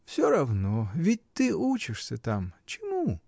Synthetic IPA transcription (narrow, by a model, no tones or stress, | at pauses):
fsʲoɾɐvnovʲit̚ʲt̪ɨut͡ɕɪʂsʲɐt̪amt͡ʃɪmu